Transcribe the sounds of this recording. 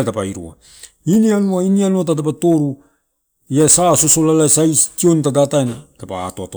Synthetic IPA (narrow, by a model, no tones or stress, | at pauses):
tapaiɾṵa̰ | inianuainianuat̬at̬apato̞ɾu | iasaso̞so̞lalasajstio̞ntadataenatapa̰ːtoato